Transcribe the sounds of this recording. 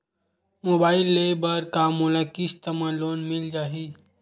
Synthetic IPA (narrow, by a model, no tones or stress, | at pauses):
moːbaːɪlːeːbɐɾkaːmuːlakɪst̪ɐmãloːnmɪld͡ʒaːɦi